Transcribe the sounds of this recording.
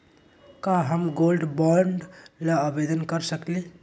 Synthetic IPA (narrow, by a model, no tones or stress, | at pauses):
kaɦəmɡolɖbɔɾɳɖlaəbed̪ənkəɾsəkle